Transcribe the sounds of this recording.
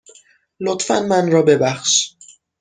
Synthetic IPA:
lot̪fæ̰nmænɾɒːbe̞bæxʃ

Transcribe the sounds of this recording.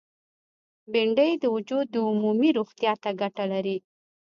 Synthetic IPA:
bɪɳɖəjd̪əwʊd͡ʒud̪ːəumumiɾoxt̪jɑt̪aɡaʈalaɾi

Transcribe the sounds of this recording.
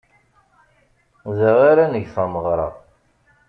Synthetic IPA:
ðæʁaɾanəʝθæməʁɾˤɑ̰

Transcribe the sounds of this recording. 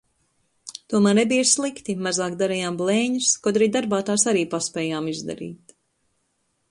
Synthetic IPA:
t̪uɔmæaːɾnebijslˠikt̪imazaːk̚d̪aɾɛjaːmblˠɛːɲuskɔd̪ɾiːd̪aɾbaːt̪aːsaɾiːpaspʲɛːjaːmizd̪a̰ɾḭːt̪

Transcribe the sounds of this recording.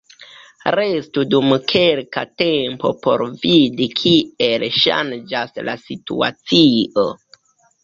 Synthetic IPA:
ɾe̞studumkʰe̞lkate̞mpo̞̰po̞̰ɾvidikʰie̞lʃa̰nd͡ʒasla̰sitṵa̰t͡sio

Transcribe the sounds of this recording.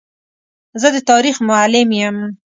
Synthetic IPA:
zəd̪ət̪ɑɾixmʊalɪmjəm

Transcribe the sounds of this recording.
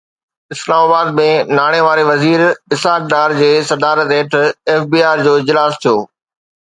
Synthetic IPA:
ɪslaːmaːbaːd̪̚mẽnaːɽ̃eʋaːɾeʋɐziːɾɪsaːk̚d̪aːɾd͡ʑeːsɐd̪aːɾət̪eːʈʰɛːfbiːaːɾd͡ʑoːɪd͡ʑlaːst̪ʰijoː

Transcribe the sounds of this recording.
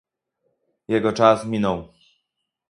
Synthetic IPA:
jɛɡɔt͡ʂasmʲinɔ̃w

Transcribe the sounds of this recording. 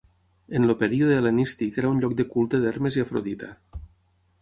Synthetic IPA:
enlopeɾioðelenist̪ikeɾaunʎɔk̚d̪ekulˠt̪eðeɾmeziafɾoðit̪a

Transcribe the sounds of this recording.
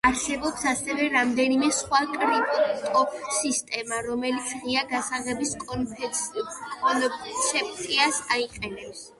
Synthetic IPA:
aɾsɛbɔpsasɛvɛɾamd̪ɛnimɛsχwakʼɾipʼt̪ʼɔpʰsist̪ʼɛmaɾɔmɛlit̪sʰʁiaɡasaʁɛbiskʼɔnpʰɛsɔnʃɛp̚ʰʼt̪ʼiasaiqʼɛnɛps

